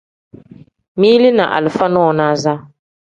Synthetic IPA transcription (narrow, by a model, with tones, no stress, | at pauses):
mi˦lɪ˦na˨ʔa̰˨lɨ˨fa˦nɔː˦˨naː˦za˦